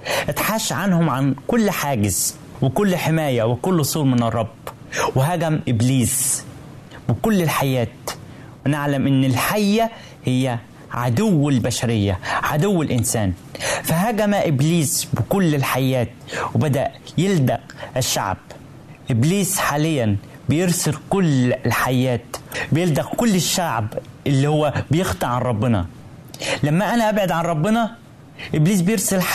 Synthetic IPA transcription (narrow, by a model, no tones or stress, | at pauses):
ʔɪt̪ħaːʃːʕanhʊmʕankʊlːħaːɡɪz | wɪkʊlːħɪmæːjæwɪkʊlːʔʊsˤuːlmɪnɨrˤːɑb | wɪɦæɡæmʔɪbliːs | bɪkʊlːɪlħajæːt̪ | wɪnɪʕlamʔɪnːɪlħajːæ | hɪjːæ | ʕad̪ʊwːɪlbæʃaɾɪjːaʕad̪ʊwːɪlʔɪnsæːnfæhæɡæmæʔɪbliːsbɪkʊlːɪlħajːæːt̪wɪbæd̪æʔjɪld̪æʔɪʃːa̰ʕb̥ | ʔɪbliːsħaːlɪjːæn | bɪjɪɾsɪɾkʊlːlħajːæːt̪bɪjɪld̪æʔkʊlːɪʃːaʕb | ʔɪlːiːhʊwːæbɪjɪxt̪ˤɑʕanɾˤɑbːɪnɑ̰ | læmːæʔænæʔæbʕɪd̪ʕanɾˤɑbːɪnɑ | ʔɪbliːsbɪjɪɾsɪl